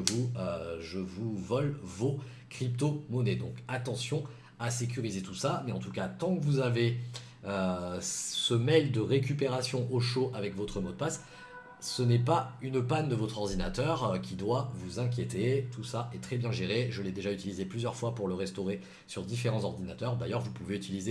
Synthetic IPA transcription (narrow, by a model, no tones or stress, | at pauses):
vuøʒəvuvɔlvo | kχipt̪omɔnɛd̪ɔ̃kat̪ɑ̃sjɔ̃ | asek̬ʲyʁizet̪usamɛɑ̃t̪ukat̪ɑ̃kəvuzave | ø | səmɛld̪əʁek̬ʲypeʁasjɔ̃ʔoʃoʔavɛkvɔt̪χəmɔd̪̚pas | sənɛpaynpand̪əvɔt̪χɔʁd̪ina̰t̪œʁkʲid̪wavuzɛ̃k̬ʲjet̪et̪usaʔɛt̪χɛbjɛ̃ʒeʁeʒəlɛd̪eʒayt̪ilizeplyzjœʁfwapuʁləʁɛst̪oʁe | syʁd̪ifeʁɑ̃zɔʁd̪inat̪œʁd̪ajœʁvupuveyt̪ilize